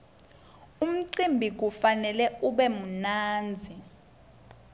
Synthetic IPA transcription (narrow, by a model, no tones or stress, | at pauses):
um̩ǀimbʱik̬ufanɛlɛuɓɛmunaːnd͡zʱi